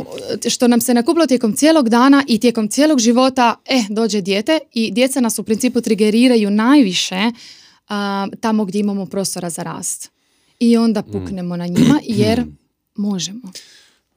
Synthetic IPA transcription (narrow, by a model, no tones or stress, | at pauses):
ʃt̪o̞namsenakuːplo̞t̪je̞ko̞mt̪sijelo̞ɡd̪aːnaʔit̪je̞ko̞mt̪sje̞lo̞ɡʒiʋo̞t̪aed̪o̞ːd͡ʑed̪je̞ːt̪e̞id̪je̞t̪sanasupɾint̪siːput̪ɾiɡe̞ɾiːɾajunajʋiʃe̞ | t̪amo̞ɡd̪jeimamo̞pɾo̞ːst̪o̞ɾazaɾa̰ːst̪ | io̞nd̪apukne̞mo̞naɲimajeɾ | mo̞ʒemo